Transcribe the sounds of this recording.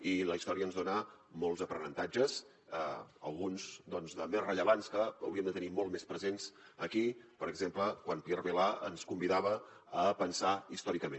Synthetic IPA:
iləist̪ɔɾiənzðonəmolˠzəpɾənənt̪ad͡ʒəz | əə̰lˠɣunzd̪ɔnzðəmesrəʎəβanskəːwɾiəmd̪ət̪ənimɔlˠmespɾəzensəkipəɾəɡzempləkwanpiɛrβelaə̰nskumbiðaβəː | pənsaist̪ɔɾikəmen

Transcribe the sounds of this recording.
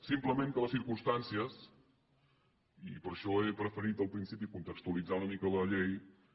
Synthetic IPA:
simpləmeŋkələsiɾkumst̪ansiəs | ipəɾʃɔepɾəfəɾit̪əlˠpɾinsipikunt̪əkst̪uəlid͡zaunəmikələʎej

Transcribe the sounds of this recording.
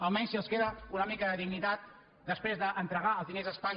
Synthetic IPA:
əlˠmɛɲsiəlˠskeðəunəmikəðəðiɣnit̪at̪̚ | d̪əspɾezðəʔənt̪ɾəɣaəlˠzðinezðəspaɲ

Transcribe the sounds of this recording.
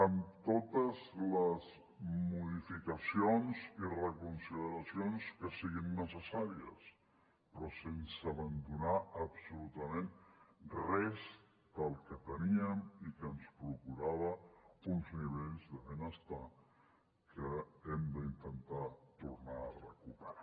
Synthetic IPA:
əmt̪ot̪əzləz | muðifikəsionzirəkunsiðəɾasjonskəsiɣinːəsəsaɾiə̰s | pɾɔsensəβənd̪unaəpsulut̪əmẽn | rɛz | d̪əlˠkət̪əniəmikənspɾukuɾaβ̞əunzniβeʎzðəβenəst̪a | kʰəemd̪əint̪ənt̪at̪uɾnaːrəkupəɾa

